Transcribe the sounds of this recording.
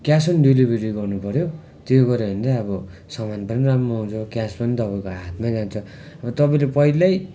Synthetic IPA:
kjaspʌniɖilibreɾiɡʌrnupʌɾjo | t̪joɡʌɾebʌnd̪aʌbʌsʌmanpʌniramroɦãw̃t͡sʰʌkjaspʌnit̪ʌbʌ̃koɦat̪ʰmad͡zant͡sʰʌ | ʌbʌt̪ʌpʌ̃ĩlepʌilaj

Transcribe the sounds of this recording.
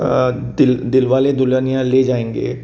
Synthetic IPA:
d̪ɪld̪ɪlʋaːled̪ʊljaːnijãːleːd͡ʒaːẽːŋɡḛː

